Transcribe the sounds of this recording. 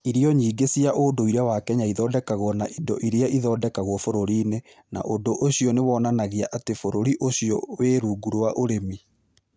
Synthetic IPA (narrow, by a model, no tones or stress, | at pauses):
iɾiɔɲiːɡesiaʔondoiɾeawakɛɲaiðɔːdɛkaɣwɔnaʔidɔ̰ʔiɾeaiðɔːdɛkaɣwɔfoɾoɾiːne | na̰ʔondoʔoɕijɔnewɔnanaɣeaʔatefoɾoɾiʔoɕijɔ̰weːɾuːɡuɾwaʔoɾemi